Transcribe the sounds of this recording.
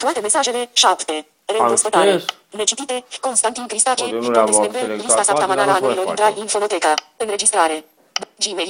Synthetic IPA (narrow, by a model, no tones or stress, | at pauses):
t̪ɾuvaːt̪emesːaːd͡ʒeleʃapt̪e | leost̪et̪aː | net͡ʃut̪iːt̪ekonst̪ant̪inkɾist̪aːt͡ʃiaeseeɾispt̪asat̪amanaɾanoloint̪ɾaliːɱfolot̪ɛːkapenːed͡ʒist̪ɾaːɾe | d͡ʒime